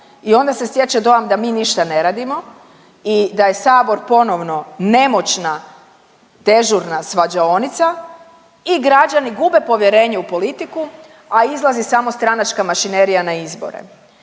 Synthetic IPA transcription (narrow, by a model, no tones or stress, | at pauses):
io̞nd̪ase̞sjet͡ʃad̪o̞amd̪amiːniʃt̪ane̞ɾaːd̪imo̞ | id̪aje̞saːbo̞ɾpo̞no̞ʋno̞ne̞mo̞t͡ʃna | t̪e̞ʒuɾnasʋad͡ʒao̞nit̪sa | iɡɾad͡ʒaniɡube̞po̞ʋjeɾe̞ːɲeupo̞lit̪iku | aizlˠazisamo̞st̪ɾanat͡ʃkamaʃineɾijanaizbo̰ɾḛ